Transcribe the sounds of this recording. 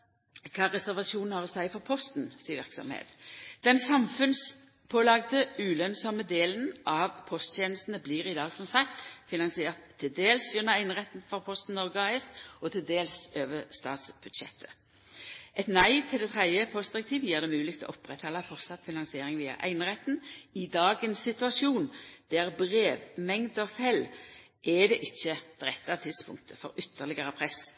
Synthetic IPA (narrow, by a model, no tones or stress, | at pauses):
kʰɑːʁɛsæʁʋɑsuːnn̩hɑːʁɔsæɪfɔʁpʰɔst̪nsiːʋɪ̰ʁksɔ̰mhḛːt̪d̪̥ɛnsɑmfʉns | pʰoːlɑɡd̪əʉːlœnsɑməd̪eːlənʔɑʋpʰɔst̪ʰeːnəst̪n̩əbliːʁɪd̪ɑːɡsɔmsɑk̚t̪fɪnɑŋsɪeːʁt̪ʰːɪld̪eːlsjʉnːɑæɪnʁɛt̪n̩fɔʁpʰɔst̪n̩nːɔʁɡəɑɛsɔt̪ʰɪld̪eːlsøːʋəst̪ɑ̰ːt̪sb̥ʉd̪ʃɛ̰t̪ʰːə̥ | ʔɛt̪næɪt̪ʰɪld̪ɛt̪ʰʁɛd̪jəpʰɔsd̪ɪʁɛk̚t̪ʰiːʋjiːʁd̪ɛmʉːlɪkt̪ʰɛlɔ̰ʊpʁɛt̪hɑlːɑfɔʁt̪sɑt̪ːfɪnɑŋsɪeːʁɪŋʋiːɑ̰ʔæ̰ɪnʁɛt̪ːnɪd̪ɑːɡənsːɪt̪ʉɑsjuːnd̪̥æʁbʁeːʋmɛŋd̪ɔfɛl | ʔɛd̪ɛʔɪçːəd̪̥ʁɛt̪ːɑt̪ʰɪd̪spʰʊ̰ŋk̚t̪ʰəfɔɾʏt̪ʰːəʁlɪɡəʁəpʰʁɛs